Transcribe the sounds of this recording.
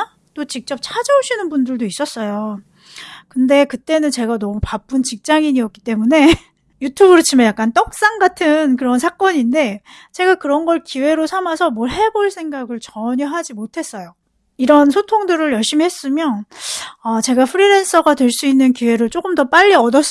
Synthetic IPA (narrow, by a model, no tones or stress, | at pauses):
t͈ot͡ɕik̚t͡ɕ͈ʌp̚t͡ɕʰad͡ʑʌoɕʰinɯnbundɯɭdois͈ʌs͈ʌjo | kɯnde̞kɯt͈e̞nɯnt͡ɕe̞ɡanʌmupap͈ɯnt͡ɕik̚t͡ɕ͈aŋiɲiʌk͈i̥t͈e̞mune̞ | jutʰubɯɾɯt͡ɕʰimajak͈ant͈ʌk̚s͈aŋɡatʰɯnkɯɾʌnsʰak͈ʌɲinde̞t͡ɕe̞ɡakɯɾʌnɡʌɭkiwe̞ɾosʰamasʰʌmoɭɦe̞boɭsʰe̞ŋɡaɡɯɭt͡ɕʌɲʌɦad͡ʑimotʰe̞s͈ʌjo | iɾʌnsʰotʰoŋdɯɾɯɭjʌɭɕ͈imihe̞s͈ɯmjʌnʌt͡ɕe̞ɡapʰɯɾiɾe̞ns͈ʰʌɡatwe̞ɭs͈uinːɯnkiwe̞ɾɯɭt͡ɕ͈okɯmdʌp͈aʎːiʌdʌs͈